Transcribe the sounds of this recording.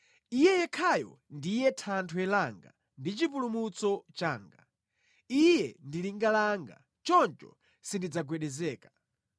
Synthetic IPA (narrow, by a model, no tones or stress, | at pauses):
ijɛjɛkʰajɔ̰ndijɛtʰantʰwɛlaŋɡa̰ | ndit͡ʃipulumut͡sɔt͡ʃaːŋɡa̰ | ijɛndiliŋɡalaŋɡa̰ | t͡ʃɔnt͡ʃɔ̰ | sindid͡zaɡwɛɗɛzɛːkḁ